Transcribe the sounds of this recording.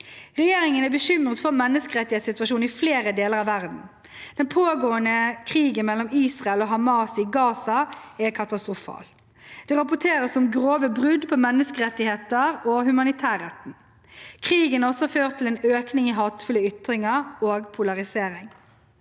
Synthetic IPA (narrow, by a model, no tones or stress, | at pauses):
ʁɛjeːɾɪŋənæbəʃʏmʁət̪fɔʁmɛnːəskəɾɛt̪ːɪeːt̪sɪt̪ʉɑʃuːn̩ɪfleːɾəd̪eːləʁɑʋæʁd̪n̩ | d̪̥ɛnpʰoːɡoːənəkʰʁiːɡənmɛlːɔmiːsʁɑɛlɔːɦɑmɑːsɪɡɑːsɑɛkʰɑt̪ɑst̪ʁʊfɑ̰ːl | d̪̥ɛʁɑpʊt̪ʰeːɾəsɔmɡɾoːʋəbʁʉd̪pʰɔmɛnːəskəɾɛt̪ːɪheːt̪əɾɔːɦʉmɑnɪt̪ʰæːɾɛt̪n̩ | kʰʁiːɡənɔsɔføːʁt̪ʰːɪlɛːnøːknɪŋiɦɑːt̪fʉləʏt̪ɾɪŋəɾoːɡpʰʊlɑʁɪseːɾɪŋ